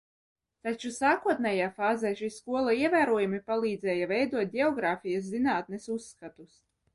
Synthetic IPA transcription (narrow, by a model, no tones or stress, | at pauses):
t̪at͡ʃusaːkuɔt̪̚nʲɛjaːfaːzɛjʃiːskuɔlˠaiɛvæːɾuɔjumipalˠiːd̪zɛːjavɛjd̪uɔt̪̚ʲdʲɛɔɡɾaːfijɐs̬zinaːt̪̚nɛsusːkat̪us